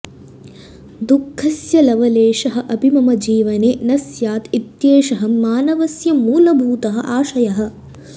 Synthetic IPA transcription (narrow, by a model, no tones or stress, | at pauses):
d̪ukʰːɐsjɐlɐʋɐleːʃɐɦɐ̆ʔɐbʱimɐmɐd͡ʒiːʋɐneːnɐsjaːt̪it̪jeːʃɐɦɐmːaːnɐʋɐsjɐmuːlɐbʱuːt̪ɐɦɐ̰̆ʔaːʃɐjɐɦɐ̆